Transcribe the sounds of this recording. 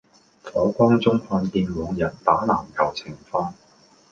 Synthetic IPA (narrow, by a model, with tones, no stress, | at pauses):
fɔː˨˥kʷɔː˥ŋt͡sʊ˥ŋhɔː˧nt̪iː˧nmɔː˨˧ŋjɐ˨˩nt̪aː˨˥na̰ː˨˩mkʰɐ˨˩wt͡sʰɪ˨˩ŋfaː˧n